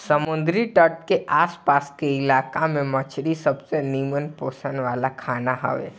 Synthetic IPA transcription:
səmʊnd̪ɾiʈəʈkeʔaːspaːskeɪlaːkamẽmət͡ʃʰɽisəbseniːmənpoːsənʋaːlakʰaːnaɦə̰ʋḛ

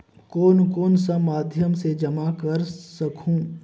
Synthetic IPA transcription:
koːnkoːnsɐmaːd̪ʱjəmsed͡ʒɐmakɐɾsɐkʰũː

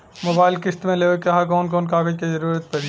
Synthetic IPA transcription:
moːbaːɪlkɪst̪mẽleːʋəkːɐɦakɔːnkɔːnkaːɡəd͡ʒkizɐɾuːɾət̪̚pɐɾi

